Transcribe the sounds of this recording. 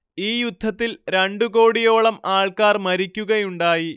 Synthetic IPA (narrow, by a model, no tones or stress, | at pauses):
iːjud̪ʱːɐt̪ːilɾeɳɖuko̞ːɽijo̞ːɭɐmaːɭkaːrmɐɾikʲːuɣɐjuɳɖaːji